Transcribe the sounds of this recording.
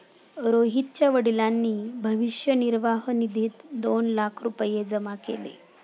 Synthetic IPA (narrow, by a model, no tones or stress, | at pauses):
ɾoɦit̪t͡ɕjaʋəɽilanːiːbʱəʋiʂjəniɾʋaɦənid̪ʱiːt̪d̪onlakʰɾupəjed͡zəmakḛlḛ